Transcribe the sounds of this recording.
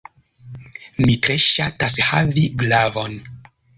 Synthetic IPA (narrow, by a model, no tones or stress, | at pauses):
mitɾe̞ʃatashaviɡlavon